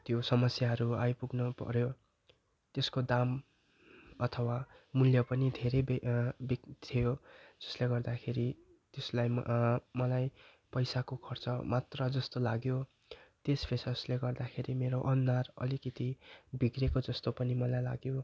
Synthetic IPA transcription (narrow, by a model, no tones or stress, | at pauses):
t̪josʌmʌsjaɦʌɾuajpuɡnʌpʌ̰ɾjo | t̪eskod̪am | ʌt̪ʰʌwamuljʌpʌnid̪ʱeɾʌjbit̪ʰijod͡zʌsleɡʌrd̪akʰeɾi | t̪eslajmʌlaj | pʌjsakokʰʌrt͡sʌmat̪rʌd͡zʌst̪olaɡjo | t̪espʰesʌsleɡʌrd̪akʰeɾimeɾoʔʌnːarʌ̰likʌt̪ibiɡrekod͡zʌst̪opʌnimʌlajla̰ɡjo